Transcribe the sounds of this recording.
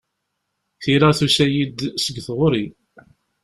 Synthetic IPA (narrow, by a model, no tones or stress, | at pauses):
θiɾəθusæjid̪səɡθʁʊɾi